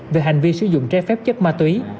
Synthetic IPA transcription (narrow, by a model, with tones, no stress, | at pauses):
ve˨˩ɦa˨˩jŋ̟vi˧sɨ˧˩zʊ̰˧˨ŋ͡mt͡ɕɛ˨˧˦fɛ˦˥p̚t͡ɕə˦˥k̚maː˧t̪wi˨˦